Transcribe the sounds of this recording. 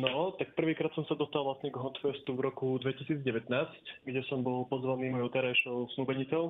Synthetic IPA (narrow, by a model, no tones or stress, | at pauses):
nɔt̪ak̚pr̩ʋiːkɾaːt̪sɔmsad̪ɔst̪alˠʋlasɲɛɡɦɔnt̪fɛst̪uvɾɔkud̪ʋɛcisiːd͡zɟɛʋɛt̪naːscɡɟɛsɔmbɔlpɔzʋaniːmɔjɔʊt̪ɛɾajʃɔʊsnubɛɲit͡sɔʊ